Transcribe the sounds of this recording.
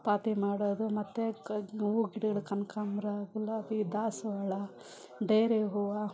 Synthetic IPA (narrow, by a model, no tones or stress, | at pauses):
paːt̪imaːɽoːd̪umɐt̪ːeuːɡiɽɐɡɐɭukɐnkamɾaɡulːɐt̪id̪aːsʋɐːɭɐ | ɖeːɾeɦuːʋa